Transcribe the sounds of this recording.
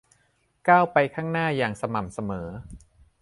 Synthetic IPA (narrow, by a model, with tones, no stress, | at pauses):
kaː˥˩wpa˧jkʰaː˥˩ŋnaː˥˩jaː˨˩ŋsa˧ma˨˩msa˧mɤː˩˦